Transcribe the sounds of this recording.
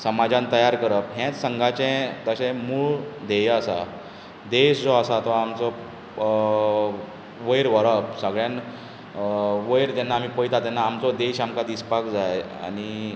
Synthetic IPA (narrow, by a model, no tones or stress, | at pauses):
səmad͡ʑãnt̪əjaɾkəɾəpɦɛ̃t͡ssəŋɡʱat͡ɕɛ̃t̪əɕɛ̃muːɭd̪ejəsa | d̪eɕd͡zɔəsat̪ʋaːmt͡sɔ | ʋəjɾʋəɭəpsəɡɭjãn | ʋəjɾd͡ʑɛnːaːm̤iːpojt̪at̪ɛnːaːmt͡sɔd̪eɕamkad̪ispakd͡zaj | a̰ɽ̃i